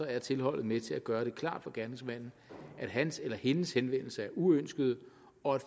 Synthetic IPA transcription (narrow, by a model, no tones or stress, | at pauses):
ɒ̽æɐt͡sʰe̝lhɒ̽l̰ð̩ˠmet͡sʰe̝læɡ̥ɶːɐɾ̥e̝kʰlɑ̰̈ːd̥fɒɡ̥æɐne̝ŋsmæn̰n̩ | ʔæd̥ɦænselɐhe̝nəshenʋen̰l̩səæɐʔuøn̰sɡ̥əð̞̩ˠ | ɒ̽æd̥